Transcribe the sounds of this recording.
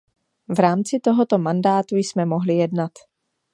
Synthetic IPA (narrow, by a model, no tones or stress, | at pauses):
vɾaːmt͡sɪt̪o̞ɦo̞t̪o̞mandaːt̪ujsmɛmo̞ɦlɪjɛdnat̪